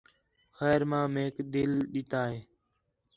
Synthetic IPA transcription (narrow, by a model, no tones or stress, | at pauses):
xɛːɾmãːmeːkd̪ɪlɗɪt̪aːɦeː